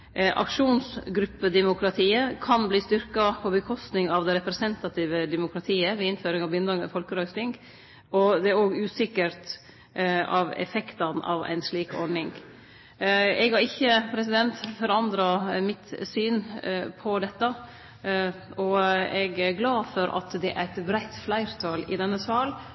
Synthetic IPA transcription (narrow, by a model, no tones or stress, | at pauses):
ʔɑ̰kʂuːnsɡɾʉpːəd̪ɛmʊkʰɾɑt̪ʰiːəkʰɑnbliːst̪ʏɾkɑpʰɔbəkʰɔst̪nɪŋɑʋd̪ɛɾɛpɾɛsɛnt̪ɑt̪ʰiːʋəd̪ɛmʊkʰɾɑt̪ʰiːəʋɛɪnføːɾɪŋɑʋbjʏnd̪ɑŋ̰fɔlkəɾœʏsnɪŋɡ | ɔd̪ɛæɾoːɡʉːsɪkːəɾt̪ | ɑʋɛ̰fɛkt̪ɑnɑ̰ʋæ̰ɪnsliːkɔ̰ɖnɪŋ | ɛɡhɑɾɪçːəpʰɾɛs̬ɪd̪ɛnt̪fɔɾɑnd̪ɾɑmɪt̪syːnpʰɔd̪ɛt̪ːə | ɔɛɡæɾɡlɑːd̪fɔɾʔɑ̰t̪d̪ɛʔæ̰t̪bɾæɪt̪flæɪɾt̪ʰɑːlɪ̰d̪ɛnːəsʋɑːl